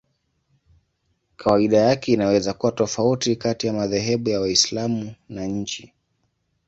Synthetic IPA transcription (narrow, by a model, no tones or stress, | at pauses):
kʰawaiɗajakɛinawɛzakuwatɔfautikatijamaðɛɦɛɓujawaislamunaɲ̩t͡ʃi